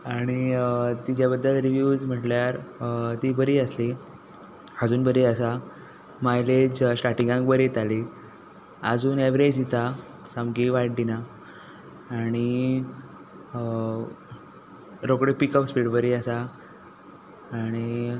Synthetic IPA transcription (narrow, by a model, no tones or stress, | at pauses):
aɽ̃iət̪id͡ʑjabəd̪ːəlɾiʋjuːd͡zm̤əʈljaɾt̪iːbəɾiːəsli | əd͡zuːnbəɾiəsa | majled͡ʑɕʈaʈiŋɡãŋkbəɾet̪ali | əd͡zuːneʋɾed͡ʑit̪a | samɡiʋaiʈ̚d̪ina | ɽ̃i | ɾokɽepikəpspiɽbəɾiəsa | ɽ̃i